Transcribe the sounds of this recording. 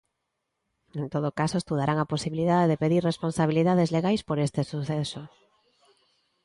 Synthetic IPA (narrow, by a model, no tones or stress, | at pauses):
ent̪oðokasoest̪uðaɾaŋaposiβiliðaðeðepeðirresponsaβ̞iliðaðezleɣajspoɾest̪esuθɛso